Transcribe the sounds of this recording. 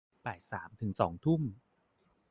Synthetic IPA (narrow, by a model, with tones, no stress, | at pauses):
pɛː˨˩saː˩˦mt̪ʰɯ˩˦ŋsɔː˩˦ŋt̪ʰu˥˩m